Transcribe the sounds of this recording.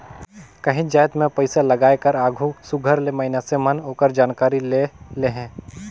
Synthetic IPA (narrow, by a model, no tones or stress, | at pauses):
kɐɦĩd͡ʒaːjt̪mẽpɐɪsalɐɡaːekɐɾaːɡʱusʊɡʱəɾlemɐɦɪnasemɐnɦoːkəɾd͡ʒaːnkaːɾileleɦɛ̃ː